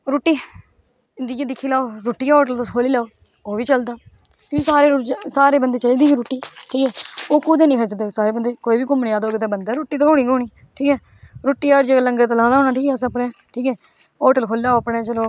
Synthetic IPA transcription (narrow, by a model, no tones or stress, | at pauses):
ɾoːʈːiː | ɪnd̪ieːd̪ɪkʰːiːlaːoːɾoːʈːiːaɔːʈəlt̪oskʰoːliːlaːoː | oːʋiːt͡ʃəld̪aː | kĩsaːɾeːɾd͡ʒsaːɾeːbənd̪eːt͡ʃəliːd̪iːiɾoːʈːiːʈʰiːkɦɛːoːkuːd̪eːnĩkʰət͡ʃd̪eːsaːɾeːbənd̪eːkoːiːbiːkʊmnjaːd̪oːɡɪt̪ẽːbənd̪ɛːɾoːʈːiːt̪õõːɽ̃iːɡoːɳiː | ʈʰiːkɦɛː | ɾoːʈːiːaɾd͡ʒəɡaːləŋɡaːt̪̬aːlãːd̪aɦoːnaːʈʰiːkɛːsəpneːʈʰiːkɛː | ɔːʈəlkʰoːliːaːoəpɽet͡ʃəloː